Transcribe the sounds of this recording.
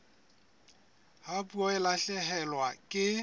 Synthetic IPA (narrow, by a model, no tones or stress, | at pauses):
hapuɔɪlaɬɛɦɛlwakʼɪ